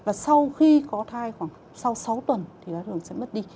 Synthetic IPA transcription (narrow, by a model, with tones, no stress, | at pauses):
vaː˨˩sa˧wxi˧kɔ˨˦t̪ʰaː˧jxwaː˧˩ŋ | sa˧wsa˨˦wt̪wə˨˩nt̪ʰi˨˩ɗa˨˦t̪ɨ˨˩əŋsɛ̰˧˥mə˦˥t̚ɗi˧